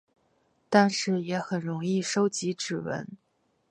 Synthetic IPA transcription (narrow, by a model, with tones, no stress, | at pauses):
t̪a˥˧nʂɻ̩˥˩jɛ˧˥xə˨˩nɻʊ˧˥ŋi˥˩ʂo˥ʊt͡ɕi˧˥ʈ͡ʂɻ̩˨˩wə̰˧˥n